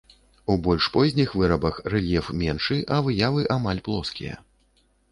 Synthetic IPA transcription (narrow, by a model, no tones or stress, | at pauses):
ubɔlʲʂpɔzʲnʲixvɨɾɐbɐxrɛlʲjɛfmʲɛnʂɨʔɐvɨjavɨʔamalʲplˠɔskʲḭjɐ̰